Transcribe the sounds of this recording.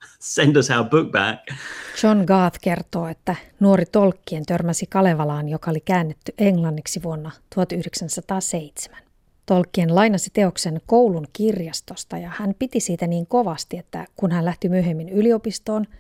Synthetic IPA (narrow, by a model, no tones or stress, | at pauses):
sɛ̃ndəsaʊbuk̚bæ̰kt͡ʃo̞nɡɑːθke̞rt̪o̞ːet̪ːænuoɾit̪olkːient̪ørmæsikɑle̞ʋɑlɑːnjo̞kɑolikæːnːet̪ːyʔeŋlɑnːiksiʋuonːɑt̪uhɑt̪yhdeksænsɑt̪ɑːseit̪se̥mæn | t̪o̞lkːienlɑjnɑsit̪e̞o̞kse̞nko̞uluŋkirjɑst̪o̞st̪ɑjɑhæmpit̪isiːt̪æniːŋko̞ʋɑst̪iet̪ːæ̰kunhænlæht̪imyøɦemːinylio̞pist̪o̞ːn